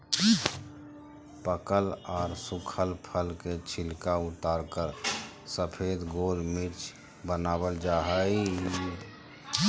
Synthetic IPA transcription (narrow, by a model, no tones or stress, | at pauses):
pəkəlɔːɾsukʰəlpʰəlket͡ʃʰɪlkaʊt̪aːɾkəɾ | səpʰed̪ɡoːlmiɾt͡ʃ | bənaːbəld͡ʒaɦəi